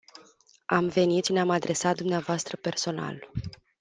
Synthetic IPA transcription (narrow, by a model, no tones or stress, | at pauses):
amve̞nit̪sineamad̪ɾe̞sat̪̚d̪umneavoast̪ɾəpe̞rso̞na̰l